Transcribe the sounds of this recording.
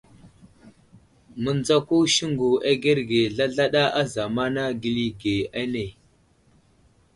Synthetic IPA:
mə˨nd͡za˦ku˦ʃi˦ŋɡu˨ʔa˦ɡe˦ɾɡe˨ɮa˦ɮa˦ɗa˦ʔa˦za˨ma˦na˦ɡi˦li˦ɡe˨a˦ne˨

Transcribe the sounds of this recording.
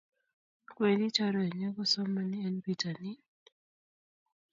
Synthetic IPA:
kwe˨li˦t͡ʃa˦ɾɔ˦e˨ɲɔ˦kɔ˦sɔ˦ma˦ni˦ɛ˦nbi˦ta˨ni˦

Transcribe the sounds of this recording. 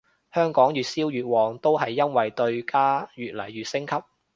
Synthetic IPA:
hœː˥ŋkɔː˨˥ŋjyː˨t̚siː˥wjyː˨t̚wɔː˨˩ŋt̪o˥wɦɐ˨jːɐ˥nwɐ˨jt̪ɵ˧ɥkaː˥jyː˨t̚lɐ̰˨˩jɥyː˨t̚sɪ˥ŋkʰɐ˥p̚

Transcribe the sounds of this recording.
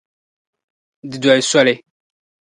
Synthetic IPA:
di˨da˨e˨sa˦lɛ˨

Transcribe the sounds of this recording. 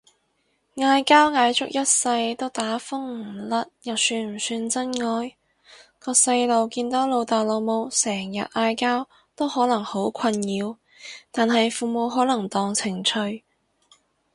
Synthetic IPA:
ŋaː˧jkaː˥wŋaː˨˧jt͡sʊ˨˥k̚jɐ˥t̚sɐ˧jt̪o˥wt̪aː˨˥fʊ˥ŋ̩˨˩lɐ˥t̚jɐ˨˩wsyː˧nm̩˨˩syː˧nt͡sɐ˥nŋɔː˧j | kɔː˧k̚sɐ˧jlo˨˧wkiː˧nt̪ɔː˨˥wlo˨˧wt̪aː˨˩jlo˨˧wmo˨˧wsɛː˨˩ŋjɐ̰˨t̚ʔaː˧jkaː˥w | t̪o˥whɔː˨˥lɐ˨˩ŋho˨˥wkʷʰɐ˧njiː˨˧w | t̪aː˨nɦɐ˨jfuː˨˩mo˨˧wɦɔː˨˥lɐ˨˩ŋt̪ɔː˧ŋt͡sʰɪ˨˩ŋt͡ʃʰɵ˧ɥ

